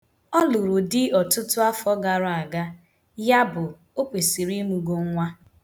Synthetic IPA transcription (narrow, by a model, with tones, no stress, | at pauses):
ɔ˦lʊ˨ɾʊ˨dɪ˦ɔ˨tʊ˦tʊ˦a˦fɔ˦ɡa˨ɾʊ˦a˨ɡa˦ | ja˦bʊ˨ | o˦kʷe˨si˨ɾi˦mu˨ɡo˦ŋ̩˦ŋʷa˦